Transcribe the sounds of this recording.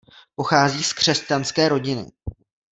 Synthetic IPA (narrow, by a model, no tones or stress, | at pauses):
po̞xaːziːskr̥ɛscanskɛːɾo̞ɟɪnɪ̰